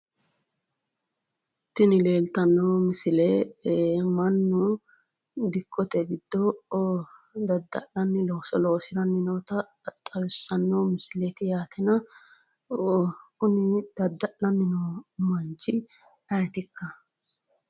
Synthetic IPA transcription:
t̪ːɪnɪle̞ːlt̪ɐnːomɪsɪle | mɐnːʊ | d̪ɪkːɔt̪ɛɡɪd̪ːɔ | d̪ɐd̪ːɐlɐnːɪloːsɔloːsɪɾɐnːɪnoːt̪ɐ | t̪ʼɐwɪsːɐnːomɪsɪlet̪ɪjaːt̪ɛnɐ | kʊnɪd̪̥ɐd̪ːɐʔɐnːɪnomɐnt͡ʃɪ | ɐjt̪ɪkːɐ

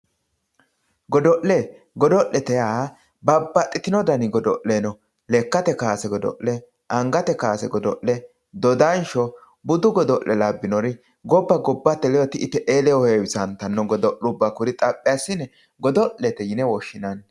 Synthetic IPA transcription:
ɡɔd̪ɔʔlɛ | ɡɔd̪ɔʔːɛt̪ɛja | bɐbːɐt̪ʼːɪt̪ɪnɔd̪ɐnɪɡɔd̪ɔʔːenɔ | lɛkːɐt̪ɛkaːsɛɡɔd̪ɔ̰ʔɛ | ʔɐŋɡɐt̪ɛkaːsɛ̰ɡɔd̪ɔʔlɛ | d̪ɔd̪ɐnʃɔ | bʊd̪ʊɡɔd̪ɔʔːɛlabːɪnɔɾɪ | ɡɔbːɐɡɔbːɐt̪ːɛlɛjɔt̪ɪʔɪt̪ːɛʔeːlɛwɔheːwɪsɐnt̪ɐnːɔɡɔd̪ɔʔʊbːakʊɾɪt̪ʼɐpʼːɪjasːɪnɛ | ɡɔd̪ɔʔːɛt̪ɛjɪnɛwɔʃːɪnɐn

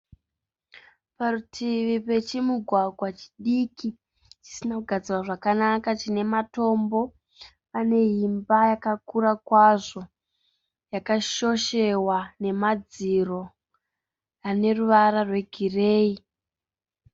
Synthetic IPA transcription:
parutʰiʋipe̞t͡ʃimuɡʱwaɡʱwat͡ʃi̥ɗiki | t͡ʃi̥sinauɡʱad͡ziwaʐakanakat͡ʃine̞mato̞mbo̞ | ane̞ɦimbajakakuɾakwaʐo̞ | jakaʃo̞ʃe̞wane̞mad͡ziro̞ | ane̞ruʋaɾarwe̞ɡʱire̞ːi

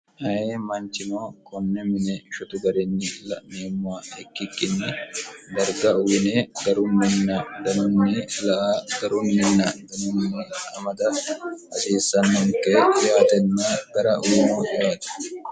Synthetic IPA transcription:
hɐheːmɐnt͡ʃːɪnoːkʰʼɔnːɛmɪnɛʃɔt̪ʊɡɐɾɛnːɪlɐ̰neːmːʊwaɛkːɪkːɪnːɪd̪ɐɾɡɐʊwɪnɛɡɐɾʊnːɪnːɐd̪ɐnʊnːɪlɐʔaːɡɐɾʊnmɪnːɐd̪ɐnʊnːɪɐmɐd̪ɐɐsiːsːɐnːɐŋkːɛjaːt̪ɛnːɐɡɐɾɐʔuːnojaːt̪ɐ̥

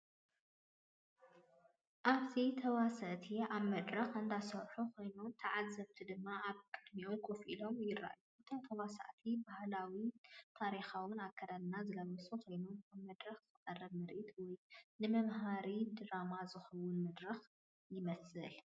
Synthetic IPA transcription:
ʔaβt̪ʰit̪ʰɐwasɐʔt̪ʰiaβmɐd̪ɾɐxɨnd̪asɐwħukʰo̞jnumt̪ʰɐʕazɐβt̪ʰid̪ɨmːaaβkʼɨd̪miomkʰofʔilo̞mjɪrːa̰ʔjuʔɨt̪ʰo̞mt̪ʰɐwasa̰ʔt̪ʰibahlawit̪ʰaɾixawʊnakʰːɐd̪alnazɨlɐwɐsʼukʰo̞jnumaβmɐd̪ɾɐxzɨkʼɐrːɐβmɨɾʔit̪ʰwɔjnɨmɐmɦaɾid̪ɨɾamazɨxɐwʊnmɐd̪ɾɐx | jɪmɐsɨl

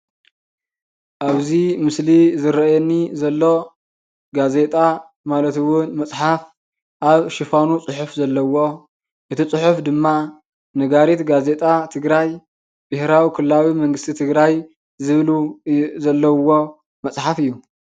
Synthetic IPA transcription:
ʔaβzimɨslizɨɾɐjɛnːizɐlːo̞ | ɡaze̞t̪ʼa | malɐt̪ɨwʊnmɐt͡sʼħaf | ʔaβʃɪfanut͡sʼʊħʊfzɐlːɐwo̞ | ʔɨt̪ʰit͡sʼɨħufd̪ɨmːa | nɐɡaɾit̪ɡaze̞t̪ʼat̪ʰɨɡɾaj | bɨhɾawikʰɨlːawimɐŋɡɨst̪ʰit̪ʰɨɡɾaj | zɨβluzɐlːɐwo̞ | mɐt͡sʼħafɨjːu

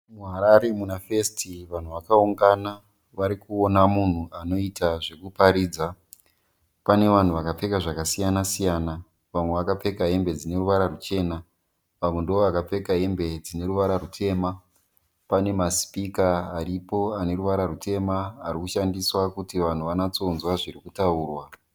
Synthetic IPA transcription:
muɦaɾaɾe̞munafestiʋan̤uʋakauŋɡana | ʋaɾikuonamun̤uʔano̞itaʐe̞kupaɾiːd͡za | pane̞ʋan̤uʋakap͡fe̞kaʐakasijanasijaːna | ʋamwe̞ʋakap͡fe̞kaɦe̞mbe̞d͡zine̞ruʋaɾarut͡ʃe̞ːna | ʋamwendooʋakap͡fe̞kaɦe̞mbe̞d͡zine̞ɾuʋaɾarutʰe̞ːma | pane̞maspikaːɾipo̞ane̞ɾuʋaɾarutʰe̞maːrikuʃandiswakutiʋan̤uʋanat͡sonzwaʐirikutauːrwa

